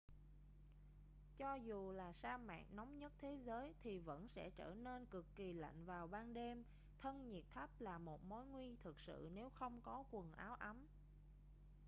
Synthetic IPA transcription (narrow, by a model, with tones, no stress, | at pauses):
t͡ɕɔ˧zu˨˩laː˨˩saː˧ma̰ː˧˨ŋnɔ˨˦wŋ͡mɲə˦˥t̚t̪ʰe˨˦zəː˨˦jt̪ʰi˨˩və̰˧˥nsɛ̰˧˥˩t͡ɕə̰ː˧˩ne˧nkɨ˨˩kːi˨˩la̰˧˨ŋ̟vaː˨˩wɓaː˧nɗe˧m | t̪ʰə˧nɲi˨˩ət̚t̪ʰə˦˥p̚laː˨˩mo˨˩t̚mo˨˦jŋwi˧t̪ʰɨ˨˩k̚sɨ̰˧˨ne˨˦wxə˧wŋ͡mkɔ˨˦kwə˨˩nʔaː˨˦wʔa˨˦m